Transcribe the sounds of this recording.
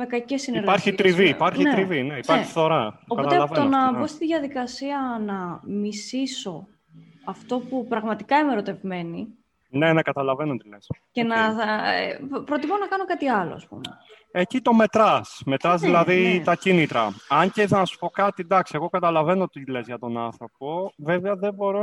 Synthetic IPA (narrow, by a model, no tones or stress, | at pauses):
mekɐcesːineɾpɐɾçit̪ɾiviːpɐɾçit̪ɾivineipɐɾçi̥θo̞ɾɐopɐot̪elɐt̪onɐbo̞st̪iðʝɐðikɐsiɐnɐmisiso̞ | ɐft̪o̞pupɾɐɣmɐt̪i̥kɐimeɾo̞t̪e̞vme̞ni | nenekɐt̪ɐlɐve̞not̪ilesce̞nɐ̰ | pɾo̞t̪imonɐkɐno̞kɐt̪iɐlo̞̰ɐ̰spṵmḛ | ecit̪o̞me̞t̪ɾɐsme̞t̪ɾɐzðilɐðit̪ɐcinit̪ɾɐɐɲceθɐnɐsu̥po̞kɐt̪id̪ɐksieɣo̞kɐt̪ɐlɐve̞not̪ile̞zʝɐt̪o̞nɐnθɾo̞po̞ve̞veɐðebo̞ɾo